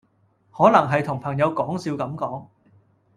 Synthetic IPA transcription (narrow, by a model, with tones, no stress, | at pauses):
hɔː˨˥nɐ˨˩ŋɦɐ˨jt̪ʰʊ˨˩ŋpʰɐ˨˩ŋjɐ˨˧wkɔː˨˥ŋsiː˧wkɐ˨˥mkɔː˨˥ŋ